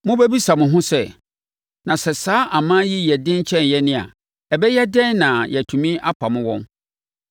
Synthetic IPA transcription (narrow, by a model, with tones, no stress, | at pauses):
mʊ̃˦bɛ˦bi˦sa˨mʊ̃˨ɦʊ̃˦sɛ˦˨ | nã˨sɛ˨saː˦ʔa˨mãː˦ji˦jɛ˨dɪ̃˦ɲ˦t͡ɕʰɛ̃˦njɛ˦nɪ̃˦a̰˨ | ɛ˨bɛ˦jɛ˦dɛ̃˦n˦nã˨jɛ˨tʰũ˨mĩ˦a˦pʰa˨mʊ̃˦wɔ̰̃˦n